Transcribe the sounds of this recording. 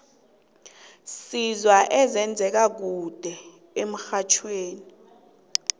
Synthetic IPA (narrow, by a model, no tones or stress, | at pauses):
sizwaʔɛzɛnd͡zʱɛk̬ak̬ud̥ʱɛ | em̩xat͡ʃʰweːni